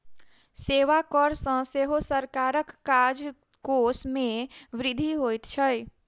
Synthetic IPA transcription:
seʋakɔɾsə̃seɦosəɾkaɾəkːad͡ʒ | kosmeʋɾid̪ʱiɦojt̪t͡ʃʰəj

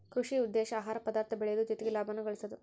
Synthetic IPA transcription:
kɾuʂiud̪ːeːʃɐaːɦaːɾɐpɐd̪aːɾt̪ʰɐbɛɭɛjɐd̪ud͡ʒɔt̪eɡɛlaːbʱɐnːuɡɐɭisɐd̪u

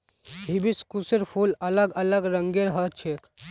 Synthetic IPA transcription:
ɦibiskuseɾpʰulələɡələɡɾəŋɡeɾɦət͡ʃʰekʰ

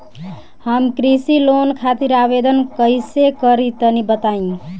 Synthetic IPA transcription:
həmkɾisilonkʰat̪iɾaβed̪ənkəjsekəɾit̪ənibət̪aĩn

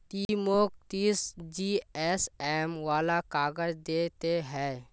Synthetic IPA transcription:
t̪iːmoːkt̪iːsd͡ʒiːɛsɛːmʋaːlakaːɡəd͡ʒd̪eːt̪eɦɛ̃ː

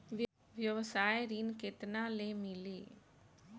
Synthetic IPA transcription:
ʋ | ʋjəʋsaːjɾiːnkeːt̪nãlemɪliː

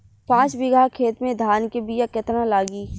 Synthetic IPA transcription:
pãːt͡ʃbɪɡaːkʰeːt̪mẽd̪ʱaːnkebijakɪt̪nalaːɡiː

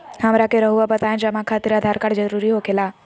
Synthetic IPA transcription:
hamɾakeɾəɦuʋapət̪ãnd͡ʒamakʰat̪iɾad̪ʱaɾkaɽd͡ʒəɾuɾiɦokela

